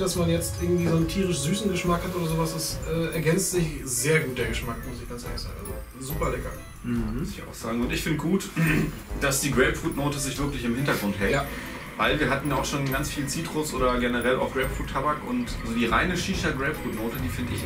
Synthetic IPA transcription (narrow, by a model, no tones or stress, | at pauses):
d̥asmanjɛt͡stʔɪɐɡŋ̩tv̥iːzoːnəntʰiːʁɪʃzyːsn̩ɡəʃmakhatʔoːdɐzoːvasd̥ɛsɛːɛɐɡɛnstz̥ɪçzeːɐɡuːt̚d̥eɐɡəʃmakmʊsɪçɡ̥ant͡sʔɛ̰ɐnçsz̥a̰ːɡŋ̩ʔalzo | zuːpɐlɛkɐ | m̩sɪça̰ʊxz̥aːɡŋ̩ʊntɪçfɪndəɡuːt | d̥asd̥iːɡʁɛːpfuːtnoːtəzɪçv̥ɪɐklɪçɪmhɪntɐɡʁʊntɦɛlt | vaɪlviːɐɦatn̩jaːʊʃoːnɡant͡sfiːlt͡siːtʁ̥ʊsʔo̰ːɾɐɡenəʁɛlʔa̰ʊxɡ̥ʁɛːpfuːtʰːabakʊntzoːdiːʁa̰ɪnəʃiːʃɐɡʁɛːpfuːtnoːtədiːfɪndəɪ̰ç